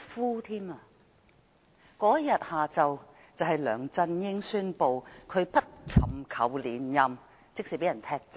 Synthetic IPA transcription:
fuː˥t̪ʰiː˥maː˧ | kɔː˨˥jɐ˥jɐ˨t̚haː˨t͡sɐ˨w | t͡sɐ˨wɦɐ˨jlœː˨˩ŋt͡sɐ˧njɪ˥ŋsyː˥npo˨wkʰɵ˨˧ɥpɐ˥t̚t͡sʰɐ˨mkʰɐ̰˨˧wliː˨˥njɐ˧m | t͡sɪ˥k̚siː˨˩pe˨˥jɐ˨˩nt̪ʰɛː˥k̚t͡s

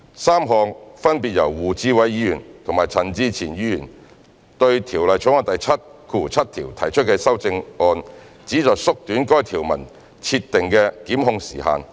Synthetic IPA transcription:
saː˥mɦɔː˨˧ŋfɐ˥npi˨t̚jɐ˨˩wːuː˨˩t͡siː˥wɐ˨˥jːiː˨˥jyː˨˩nt̪ʰʊ˨˩ŋmaː˨˩jt͡sʰɐ˨˩nt͡siː˧t͡sʰiː˨˩njiː˨˧˥jyː˨˩n | t̪ɵ˧ɥt̪ʰiː˨˩wlɐ˨jt͡sʰŋɔː˧nt̪ɐ˨jt͡sʰɐ˥t̚kʰuː˧˨˩t͡sʰɐ˥t̚t̪ʰiː˨˩wt̪ʰɐ˨˩jt͡ʃʰɵ˥t̚kɛː˧sɐ˥wt͡sɪ˧ŋɔː˧n | t͡siː˨˥t͡sɔː˨jsʊ˥k̚t̪yː˨˥nkɔː˥jt̪ʰiː˨˩wmɐ˨˩n | t͡sʰi˧tt̪ːɪ˨ŋkɛː˧kiː˨˥mɦʊ˧ŋsiː˨˩ha̰ː˨˧n

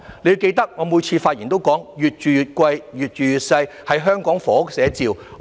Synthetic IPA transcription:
le˧jke˧jt̪ɐ˥k̚ŋɔː˨˧muː˨˧jt͡sʰiː˧faː˧t̚jiː˨˩nt̪o˥wkɔː˨˥ŋjyː˨t̚t͡ʃyː˨jyː˨t̚kʷɐ˧jjyː˨t̚t͡ʃyː˨jyː˨t̚sɐ˧j | hɐ˨jɦœː˥ŋkɔː˨˥ŋfɔː˨˧˥k̚sɛː˨˥t͡siː˨˧w

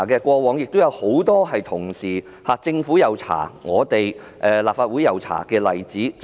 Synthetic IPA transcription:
kɛː˧kʷɔː˧wɔː˨˧ŋjɪ˨k̚t̪o˥wjɐ˨˧who˨˥wt̪ɔː˥ɦɐ˨jt̪ʰʊ˨˩ŋsiː˨˩ | haː˨˩t͡sɪ˧ŋfu˨˥jɐ˨wt͡sʰa̰ː˨˩ŋɔː˨˧t̪e˨j | ʔɛː˨laː˨p̚faː˧t̚uː˨˥jɐ˨wt͡sʰa̰ː˨˩kɛː˧lɐ˨jt͡siː˨˥

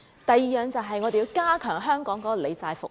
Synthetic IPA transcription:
t̪ɐ˨jiː˨jœː˨˧ŋt͡sɐ˨wɦɐ˨jŋɔː˨˧d̪e˨ji˧wkaː˥kʰœː˨˩ŋɦœː˥ŋkɔː˨˥ŋkɔː˦˥kɔ˨le˨˧jt͡saː˧jfʊ̰˨k

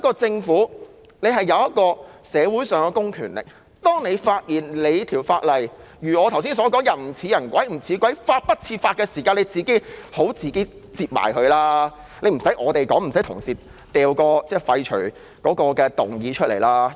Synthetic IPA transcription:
kːɔː˧t͡sɪ˧ŋfuː˨˥ | ne˨˧ɦɐ˨˩jːɐ˨˧wjɐ˥t̚kɔː˧sɛː˨˧wu˨˥jsœː˨ŋkɛ˧kʊ˥ŋkʰyː˨˩nlɪ̰˨k̚ | t̪ɔː˥ŋne˨˧jfaː˧t̚jiː˨˩nle˨˧jt̪ʰiː˨˩wfaː˧t̚lɐ˨j | jyː˨˩ɔː˨˧t̪ʰws̬iː˥nsɔː˨˥kɔː˨˥ŋjɐ˨˩m̩˨˩t͡sʰiː˨˧˥jɐ˨˩nkʷɐ˨˥jm̩˨˩t͡sʰiː˨˧kʷwʷɐ˨˥jfaː˧t̚pɐ˥t̚t͡sʰiː˧faː˧t̚kɛː˧siː˨˩kaː˧ne˨˧jt͡siː˨ke˥jho˨˥wt͡siː˨˧ke˥ | t͡siː˧p̚ma̰ː˨˩jhɵ˧ɥlaː˥ | nle˨˧jm̩˨˩sɐ˨˥ʔɔː˨˧t̪e˨jkɔː˨˥ŋm̩˨˩sɐ˨˥jt̪ʰʊ˨˩ŋsiː˨˩ | t̪ɛː˨wkɔː˧t͡sɛː˥˩fɐ˧jt͡ʃʰɵ˨˩ɥ | kɔː˨˥kɔː˧kɛː˧t̪ʊ˨˩ŋjiː˨˧t͡ʃʰɵ˥t̚lʔe˨˩jlaː˥

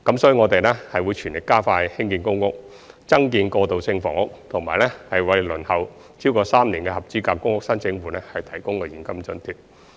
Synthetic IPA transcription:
kɐ˨˥msɔː˨˥jy˧ŋɔː˨˧t̪e˨jlɛː˥hɐ˨jwuː˨˧jt͡ʃʰyː˨˩nlɪ˨kːaː˥faː˧jhɪ˥ŋkiː˧nkʊ˥ŋkʊ˥k̚ | t͡sɐ˥ŋkiː˧nkɔː˧t̪o˨wsɪ˧ŋfɔ̰ː˨˦ŋʊ˥k̚t̪ʰʊ˨˩ŋma̰ː˨˩jlɛː˥hɐ˨jwɐ˨˧jlɵ˨˩nhɐ˨w | t͡sʰiː˥wkɔː˧saː˥mnliː˨˩nkɛː˧hɐ˨p̚t͡siː˨˥kaː˧p̚kʊ˥ŋkʊ˥k̚sɐ˥nt͡sɪ˧ŋfuː˨˦nɛː˥hɐ˨jt̪ʰɐ˨˩jkʊ˥ŋkɛː˧jiː˨˩nkɐ˥mt͡sɵ˧nt̪ʰyː˨˩t̚

